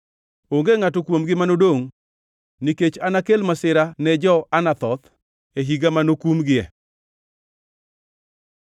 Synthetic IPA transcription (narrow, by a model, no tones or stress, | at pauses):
oŋɡeŋatokwomɡɪmanodoŋ | niket͡ʃanakelmasɪɾanɛd͡ʒɔanat̪ɔt̪ | eɦiɡamanokumɡɪɛ̰